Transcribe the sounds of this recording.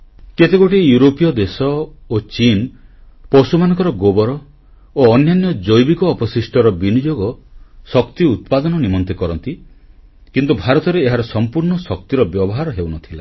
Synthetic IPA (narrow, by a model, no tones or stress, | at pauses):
ket̪ekoʈijuɾopijɔd̪esɔot͡ʃin | pɔsumanɔ̃ŋkɔɾɔɡobɔɾɔ | oːnjanjɔd͡ʒojbikɔːpɔsisʈʰɔɾɔbinid͡ʒoɡɔsɔkt̪iut̪̚pad̪ɔnɔnimɔnt̪ekɔɾɔnt̪i | kint̪ubʱaɾɔt̪ɔɾeːɦaɾɔsɔmpuɾɳɔsɔk̚t̪iɾɔbjɔbɔɦaɾɔɦewnɔt̪ʰila̰